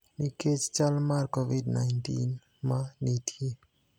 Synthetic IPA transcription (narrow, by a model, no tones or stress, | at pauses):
niked͡ʒt͡ʃalmaɾkoʋiɖnaɪnʈḭn | mãnit̪ʰie